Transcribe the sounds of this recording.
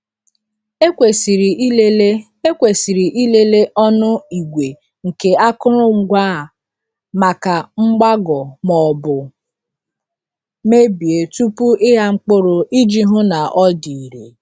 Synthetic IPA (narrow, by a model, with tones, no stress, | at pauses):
e˦kʷe˨si˨ɾi˨˦le˦le˦ | e˦kʷe˨si˨ɾi˨ʔi˦le˦le˦ʔɔ˦nʊ˦i˨ɡʷe˨ | ŋ̩˨ke˨a˦kʊ˦ɾʊ˦ŋ͡m̩˨ɡʷaː˦˨ | ma˨ka˨ŋ͡m̩˦ɡ͡ba˦ɡɔ˨mɔ˨bʊ˨ | me˦bi˨e˨tu˦pu˦ʔɪ˦ɦa˦ŋ͡m̩˦k͡pʊ˦ɾʊ˨ʔi˦d͡ʒi˦ɦʊ˦na˨ʔɔ˦di˨i˨ɾe˨